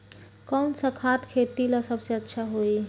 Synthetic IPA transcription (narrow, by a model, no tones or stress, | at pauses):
kənsəkʰat̪kʰet̪ilasəbseətːʃʰaɦoi